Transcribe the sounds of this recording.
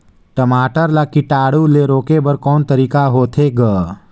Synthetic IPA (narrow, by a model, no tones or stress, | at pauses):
ʈəmaːʈəɾlakiʈaːɽuleɾoːkebəɾkɔːnt̪əɾiːkaɦoːt̪ʰeɡəː